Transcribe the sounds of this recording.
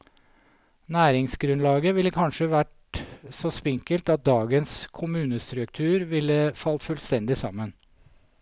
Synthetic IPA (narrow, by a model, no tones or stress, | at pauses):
næːɾɪŋsɡɾʉnlɑːɡəʋɪlːəkʰɑnʂəʋæʈ | sɔspɪŋkəlt̪ɑt̪̚d̪ɑːɡənskʰʊmʉːnəst̪ɾʉkt̪ʰʉːɾʋɪlːəfɑlt̪fʉlst̪ɛnd̪ɪsɑ̰mːən